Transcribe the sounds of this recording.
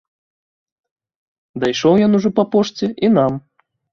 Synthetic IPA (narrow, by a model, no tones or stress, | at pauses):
d̪ajʂɔwjɔnuʐɔpɐpɔʂt͡sʲɛʔinam